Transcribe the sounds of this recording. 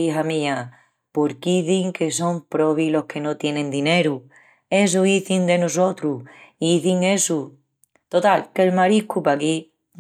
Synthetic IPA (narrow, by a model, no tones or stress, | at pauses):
iɦamĩa | po̞ɾkiθiŋke̞s̬o̞mpɾo̞βilo̞hkʰe̞not̪je̞nẽnd̪ine̞ɾu | e̞s̬oiθind̪e̞nos̬o̞t̪ɾuiθiŋe̞su | t̪o̞t̪alkelmaɾikupaki